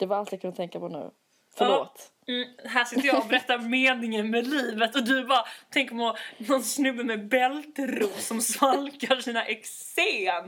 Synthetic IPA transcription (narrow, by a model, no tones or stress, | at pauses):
d̪̥ɛvɪɾalt̪jakʰɵnːat̪ʰɛŋkapɔnʉ̰ː | fœɭoːt̪ | m̩ːɦæːʂɪt̪ːəjaɔbɛɾɛt̪ːaɾmeːnɪŋənmɛliːvət̪ɔd̪ɵbɑɾat̪ʰɛŋkɾmɔnɔnsnɵbːəmɛbɛlt̪ɾuːsɔmsvalkaɾʂiːnaʔɛks | eː